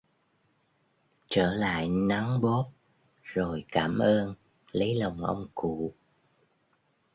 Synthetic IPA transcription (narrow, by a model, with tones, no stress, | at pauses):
t͡ɕəː˧˩la̰ː˧˨jna˨˦ŋɓo˦˥p̚ | zo˨˩jkaː˧˩mʔəː˧n | lə˨˦jlə˨˩wŋ͡mʔə̰˧wŋ͡mkṵ˧˩˨